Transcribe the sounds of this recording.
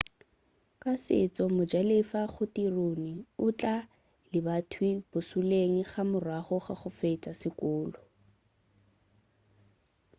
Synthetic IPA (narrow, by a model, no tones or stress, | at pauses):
kʼasɪ̰t͡sʼɔmʊd͡ʒalefaχʊtironiʊt͡ɬʼa | lɪbatʰwɪb̥ʊsuleŋ̩χamʊrwaχɔχaχʊfet͡sʼasɪkʼʊːlɔ